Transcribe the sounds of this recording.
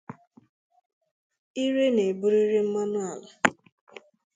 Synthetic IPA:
i˦ɾe˦ne˨bu˦ɾi˦ɾe˦m̩˦ma˦nʊ˦a˨la˨

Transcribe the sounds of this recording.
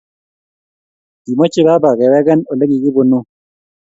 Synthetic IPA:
di˨mo˦t͡ʃe˦ba˦ba˨ɡɛ˨wɛ˦ɡɛ˦no˨le˦ɡi˨ɡɪ˦bo˨nu˦

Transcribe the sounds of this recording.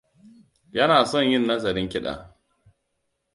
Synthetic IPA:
jɐ˦naː˨sɔ˦˨ɲjɪ˦˨nːɐ˦zɐ˨ɾɪ˦ŋkʲɪ˦ɗa̰ː˨

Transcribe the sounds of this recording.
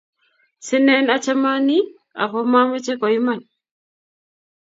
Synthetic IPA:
si˦nɛ˦na˦t͡ʃa˦ma˦ni˦ | a̰˨kɔ˦ma˦mɛ˦t͡ʃɛ˦kɔ˨i˦ma˦˨n

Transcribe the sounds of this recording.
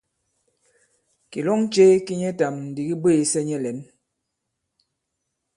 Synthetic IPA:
ki˨lɔ˦ŋt͡ʃe˦ki˦ɲɛ˦ta˨mn̩˨di˨ɣi˦beː˦˨sɛ˦ɲɛ˦lɛ˨˦n

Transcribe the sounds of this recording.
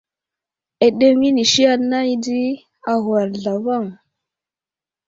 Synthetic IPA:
e˨ɗe˦ŋi˦ni˨ʃi˦ja˦nːa˦jdi˦ | a˨ɣa˨ɾɮa˨va˦˨ŋ

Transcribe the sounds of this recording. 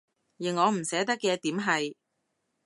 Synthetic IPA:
jɪ˨˩ŋːɔː˨˧m̩˨˩sɛː˨˥t̪ɐ˥kːɛː˧t̪iː˨˥mɦɐ˨j

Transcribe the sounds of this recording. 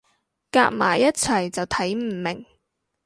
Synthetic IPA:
ka̰ː˧k̚ma̰ː˨˩jːɐ˥t̚t͡sʰɐ˨˩jt͡sɐ˨wt̪ʰɐ˨˥jm̩˨˩mɪ˨˩ŋ

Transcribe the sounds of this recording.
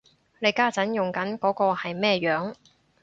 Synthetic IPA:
le˨˧jkaː˥t͡sɐ˨˥njʊ˨˩ŋkɐ˨˥nkɔː˨˥kɔː˧hɐ˨jmɛː˥jœː˨˥ŋ

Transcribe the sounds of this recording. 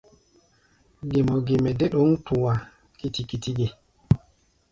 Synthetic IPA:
ɡe˨mɔ˨ɡe˨mɛ˨de˦ɗo˦ŋtu˨wa˨ | ki˦ti˨ki˦ti˦ɡe˨

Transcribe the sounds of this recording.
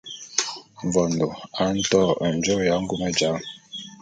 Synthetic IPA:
ɱ˨vɔ˨n˨do˨a˨˦n̩˦tɔ˦˨a˨n̩˨d͡ʒo˦ja˨˦ŋ̩˦ɡu˦mə˦d͡ʒa˨˦ŋ

